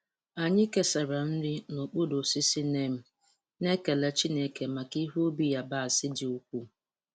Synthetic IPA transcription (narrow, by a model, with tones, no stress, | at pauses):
a˨ɲɪ˦ke˦sa˨ɾa˨n̩˦dɪ˦no˨k͡pu˦do˨si˦si˦ne˦m̩˦ | ne˦ke˨le˦t͡ʃi˦ne˨ke˨ma˨ki˦ɦu˦o˦bi˦ja˦ba˦˨a˨sɪ˦dɪ˨u˦kʷu˦